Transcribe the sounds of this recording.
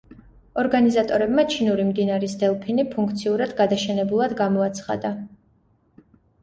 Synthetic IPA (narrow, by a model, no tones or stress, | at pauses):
ɔɾɡanizat̪ʼɔɾɛbmat͡ʃʰinuɾimd̪inaɾisd̪ɛlˠpʰinipʰuŋkʰt̪sʰiuɾad̪ɡad̪aʃɛnɛbulˠad̪ɡamɔat̪sʰχa̰d̪a